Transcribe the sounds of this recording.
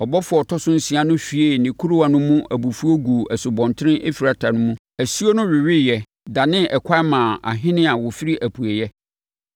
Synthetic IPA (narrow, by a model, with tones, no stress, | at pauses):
ɔ˨bɔ˦fʊ˨˦ɔ˨tʰɔ˦sʊ̃˦n̩˦si˨a˦nʊ̃˦fi˨e˦˨nɪ̃˨kʰu˦ɾu˦wa˨nʊ̃˦mũ˦ʔæ˨bu˨fu˦o˦ɡu˨ɛ˨sʊ˨bɔ̃˨ntʰɪ˦ɾɪ̃˦ʔḛ˦fi˨ɾa˨tʰa˨nʊ̃˦mũ˦ | æ˨su˦o˦nʊ̃˦ɾɪ˨ɥɪ˦jɛ˨ | da˨nɪ̃˦ʔɛ˨kʰa˦mãː˨a̰˨ɦɪ̃˦nɪ̃˦a˨wʊ˨fi˦ɾi˦ʔæ˨pʰu˨e˨jɛ˦